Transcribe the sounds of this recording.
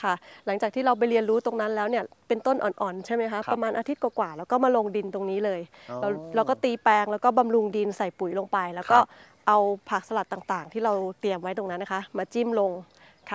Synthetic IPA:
kʰa˥˩la˩˦ŋt͡ɕaː˨˩k̪̚ʰiː˥˩ɾa˧wp̬a˧jli˧ənɾuː˦˥t̪o˧ŋna˦˥nlɛː˦˥wni˥˩ɐpe˧nt̪o˥˩nʔɔ̰ː˨˩nʔɔː˨˩nt͡ɕʰa˥˩jma˦˥jkʰa˦˥pɾa˧maː˧nʔaː˧t̪ʰi˦˥t̪̚kwaː˨˩kwaː˨˩lɛː˦˥wkɔː˥˩maː˧lo˧ŋdi˧nt̪o˧ŋniː˦˥lɤː˧j | la˧ɾa˧wkɔː˥˩t̪iː˧pɛː˧ŋlɛ˦˥wkɔː˥˩ba˧mɾu˧ŋdi˧nsa˨˩jpu˩˦jlo˧ŋpa˧jlɛː˦˥wkɔː˥˩ | ʔa˧wpʰaː˨˩k̚sa˧la˨˩t̪ːaː˨˩ŋt̪aː˨˩ŋt̪ʰiː˥˩ɾa˧wt̪i˧əmwa˦˥jt̪o˧ŋna˦˥nːa˦˥kʰa˦˥maː˧t͡ɕi˥˩mlo˧ŋ | kʰa˥˩

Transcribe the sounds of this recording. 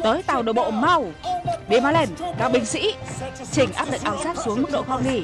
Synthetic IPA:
t̪əː˨˦jt̪aː˨˩wɗə˨˩ɓo̰˧˨ma˧˩wɗe˧˩maː˧˩le˧˩nkaː˨˧˩ɓï˧˩ŋ̟sḭ˧˥ | t͡ɕï˧˩ŋ̟ʔaː˦˥p̚ɗə̰˧˨ŋ̚ʔaː˧˩wsaː˦˥t̚su˨˦əŋmɨ˦˥k̚ɗo̰˧˨xwɔ˧˩ŋli˧˩

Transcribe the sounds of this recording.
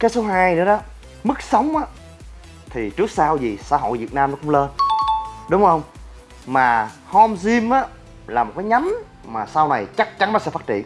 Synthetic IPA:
kaː˨˦jso˨˦ɦaː˧jnɨ˧˥əɗɔ˨˦ | mɨ˦˥k̚sə˨˦wŋ͡mʔaː˨˦ | t̪ʰi˨˩t͡ɕɨ˦˥ək̚saː˧wzi˨˩sa̰˧ɦo̰˧˨jvi˨˩ət̚naː˧mnɔ˨˦kʊ˧˥˦ŋ͡mlə˧n | ɗʊ˨˦wŋ͡mhə˧wŋ͡m | maː˨˩ | hɔ˧mzi˧mʔaː˨˦ | laː˨˩mo˨˩t̚kaː˨˦jɲa˨˦m | maː˨˩saː˧wna˨˩jt͡ɕa˦˥k̚t͡ɕa˨˦nɔ˨˦sɛ̰˧˥faː˦˥t̚t͡ɕḭ˧˨ə˨n

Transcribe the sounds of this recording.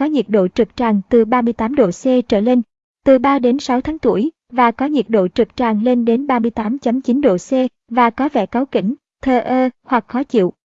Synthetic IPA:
kɔ˨˦ɲi˨˩t̚ɗo̰˧˨t͡ɕɨ˨˩k̚t͡ɕaː˨˩ŋt̪ɨ˨˩ɓaː˧mɨ˧əjt̪aː˨˦mɗo̰˧˨sɛ˧t͡ɕəː˧˩le˧n | t̪ɨ˨˩ɓaː˧ɗe˨˦nsa˨˦wt̪ʰaː˨˦ŋt̪u˧˩əj | vaː˨˩kɔ˨˦ɲi˨˩t̚ɗo̰˧˨t͡ɕɨ˨˩k̚t͡ɕaː˨˩ŋle˧nɗe˨˦nɓaː˧mɨ˧əjt̪aː˨˦mt͡ɕə˨˦mt͡ɕi˨˦nɗo̰˧˨sɛ˧ | vaː˨˩kɔ˨˦vɛ̰˧˩ka˨˦wkï˧˩ŋ̟ | t̪ʰəː˧ʔəː˧hwa˨˩k̚xɔ˨˦t͡ɕḭ˧˨əw

